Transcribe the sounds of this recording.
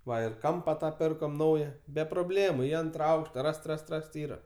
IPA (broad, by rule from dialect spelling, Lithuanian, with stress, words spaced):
ˈʋɐ ɪr ˈkɐmpɐ ˈtɑː ˈpʲɪrkoːm ˈnɐʊjɛ bʲɛ proːˈbʲlʲeːmʊ ɪ ˈɐntrɐ ˈɐʊkʃtɐ ˈrɐst ˈrɐst ˈrɐst ˈiːrɐ